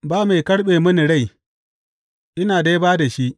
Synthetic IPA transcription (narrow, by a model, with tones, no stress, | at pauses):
baː˦ma˨jkɐ˦ɽɓeː˨mɐ˦ni˨ɽa˦˨j | ʔɪ˦naː˨da˦jbaː˦da˨ʃi˦ʔ